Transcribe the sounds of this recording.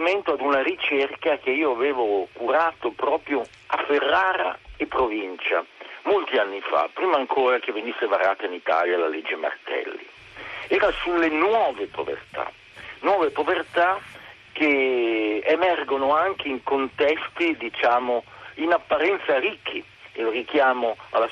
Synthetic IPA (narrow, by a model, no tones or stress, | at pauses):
iment̪oad̪unaɾit͡ʃerkak̟eiːoaveːvokuɾaːt̪opɾɔːpɾjo | afːerːaːɾa̰epːɾovint͡ʃa̰molt̪ianːifa̰pːɾiːmaːŋkʰoːɾak̟evːenisːevaɾa̰ːt̪ainit̪a̰ːljala̰led͡ʒːema̰rt̪ɛ̰lːḭ | ɛːɾasulːenwɔːvepo̰vḛrt̪ʰa̰ | nwɔːvepovert̪a | k̟ːe | emɛrɡonoaŋk̟eiŋkont̪ɛst̪id̪it͡ʃaːmoinapːaɾɛnt̪saɾikʰːi | elrik̟jaːmoalːa